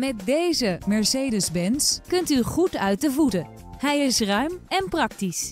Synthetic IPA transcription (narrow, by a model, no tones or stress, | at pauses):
mɛt̚dejzəmɛɹseːjdəzbɛnskɵntyχutœɥt̚dəvutə | ɦɛjɪsrœɥmɛnprɑk̚tis